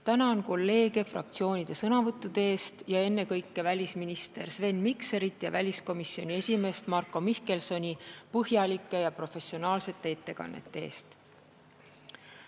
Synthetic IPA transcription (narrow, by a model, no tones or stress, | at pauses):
t̪ænɑonko̞lːe̞ːɡe̞frɑ̰k̚t̪sio̞ːnʲid̪̥e̞sɤnɑvɤt̪ːˑud̪̥eeːst̪jɑe̞nːe̞kɤjkːe̞vælʲisminist̪e̞ɾsve̞nmikse̞ɾit̪jɑvælʲisko̞misio̞nʲie̞sʲime̞ːst̪mɑrkːˑo̞mihke̞lso̞nʲipɤɦjɑlʲikːˑe̞jɑpro̞fe̞sio̞nɑːlse̞t̪ːe̞e̞t̪ːe̞kɑ̰nːe̞̰t̪ˑːe̞eːst̪